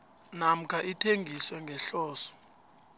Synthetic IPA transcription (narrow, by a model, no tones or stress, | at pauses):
nam̩kʰaʔitʰeŋɡʱiswɛŋɡʱɛɬɔːsɔ̥